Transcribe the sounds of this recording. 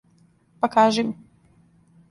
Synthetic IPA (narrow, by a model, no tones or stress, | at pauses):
pakaːʒim